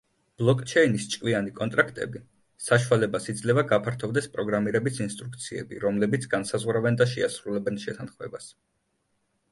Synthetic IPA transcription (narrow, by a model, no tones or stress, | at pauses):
b̥lˠɔkʼt͡ʃʰɛinist͡ʃʼkʼvianikʼɔnt̪ʼɾakʰt̪ʼɛ̰bi | saʃualɛbasid̪zlɛvaɡapʰaɾt̪ʰɔvd̪ɛspʼɾɔɡɾamiɾɛbisinst̪ʼɾuk̚ʰt̪sʰiɛ̰bḭɾɔmlɛbit̪sʰɡ̥ansazʁwɾavɛnd̪aʃɛasɾulɛbɛnʃɛt̪ʰanχmɛ̰bas